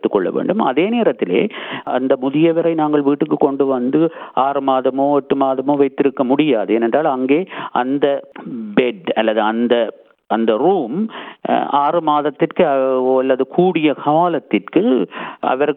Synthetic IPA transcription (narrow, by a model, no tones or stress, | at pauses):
t̪ːɯkːɔɭːɐ̰ʋḛːɳɖɯmɐ̰ðeːneːɾɐt̪ːɪlḛːɐ̰nd̪ɐmʊðɪjɐʋɪɾɐɪnaːŋɡɐɭʋiːʈːɯkːɯkɔɳɖɯʋɐnd̪ɯaːɾɯmaːðɐmoːɔʈːɯmaːðɐmoːʋɐɪt̪ːɪɾɯkːɐmʊɽɪjaːðɯeːnɛnɖraːlɐŋɡeːɐnd̪ɐbɛɖɐlːɐðɯɐnd̪ɐ | ʔɐnd̪ɐɾuːm | aːrɯmaːðɐt̪ːɪrkɯɐɐlːɐðɯkʰuːɽɪjɐxɐʋaːlɐt̪ːɪrkɯʔɐ̰ʋɐɾ